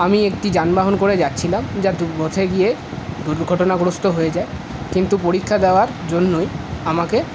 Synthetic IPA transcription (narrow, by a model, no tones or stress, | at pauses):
amiek̚ʈid͡ʑanbaɦonkoɾed͡ʑatːɕʰilamd͡ʑad̪ubʱot̪ʰeɡie | d̪uɾɡʱɔʈonaɡɾost̪oɦoed͡ʑae | kint̪upoɾikʰːad̪eoaɾd͡ʑonːojamake